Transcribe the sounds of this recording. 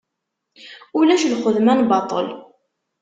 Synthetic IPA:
ulæʃlχəðmænbɑt̪ˤə̰l

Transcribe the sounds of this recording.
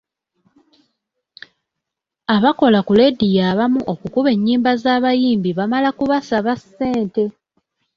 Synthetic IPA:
aβako̞lakule̞dijaːβamuʔo̞kukuβe̞ɲːiːmbazaːβajiːmbiβamalakuβasaβasːe̞ːnte̞

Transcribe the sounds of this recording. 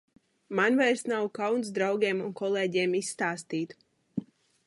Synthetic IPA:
manvɛjɾsnawkawnsd̪ɾawɡʲeːmunkɔlˠeːɟeːmisːt̪aːst̪iːt̪

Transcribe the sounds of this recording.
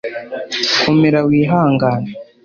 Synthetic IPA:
kʰomeɾawiːɦaːŋɡaːna

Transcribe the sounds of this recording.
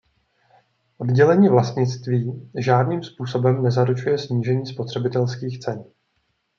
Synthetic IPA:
ʔod̪ɟɛlɛɲiːvlast̪ɲɪt͡st̪viːʒaːdniːmspuːso̞bɛmnɛzaɾut͡ʃujɛsɲiːʒɛɲiːspo̞t̪r̝̥ɛbɪt̪ɛlskiːxt͡sɛn

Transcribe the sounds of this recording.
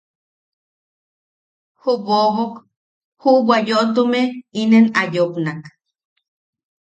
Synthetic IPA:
huβoɦok | huwajoʔt̪̬umeinenajoknak

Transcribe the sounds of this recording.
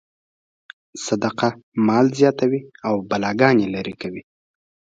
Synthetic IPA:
sad̪aqamɑlzjɑt̪awiawbalɑɡɑnelaɾikawi

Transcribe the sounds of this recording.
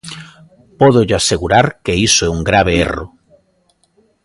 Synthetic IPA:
pɔðoʎaseɣuɾaɾkeisoɛuŋɡɾaβ̞eḛro̰

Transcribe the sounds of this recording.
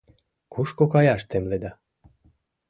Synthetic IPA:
kuʃkokɑjɑʃt̪emled̪ɑ

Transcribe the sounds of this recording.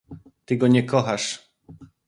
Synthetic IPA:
t̪ɘɡɔɲɛkɔxaʂ

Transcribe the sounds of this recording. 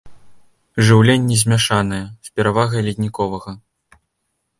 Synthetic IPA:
ʐɨwlʲenʲːɛzʲmʲaʂanɐjɛsʲpʲɛɾavaɣɐjlʲid̪ʲnʲikɔvɐɣɐ

